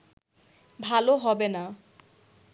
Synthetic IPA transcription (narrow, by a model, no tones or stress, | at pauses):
bʱaloɦɔbena